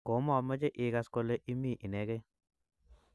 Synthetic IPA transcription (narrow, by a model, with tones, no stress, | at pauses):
ko˨˦mɔ˨mə˦d͡ʒe˦ʔɪ˨ka˨sko˨le˦ʔi˦mi˦˨ʔi˨nɛ˨ɡe˦